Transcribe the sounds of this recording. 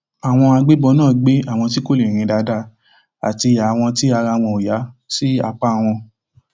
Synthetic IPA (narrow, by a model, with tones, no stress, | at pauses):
a˨w̃ɔ̃˧a˧ɡ͡be˦bɔ˧nãː˦˨ɡ͡be˦a˦˨w̃ɔ̃˧t̬i˦ko˦le˨ɾ̃ĩ˧da˧da˧˦ | a̰˨ti˧˨a˨w̃ɔ̃˧ti˦a˧ɾa˧w̃ɔ̃˧˨o˨ja˨˦si˦a˧k͡pa˦˨w̃ɔ̃˧